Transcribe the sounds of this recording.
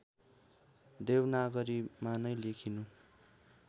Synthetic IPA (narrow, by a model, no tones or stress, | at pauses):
d̪ewnaɡʌɾimanʌjlekʰinu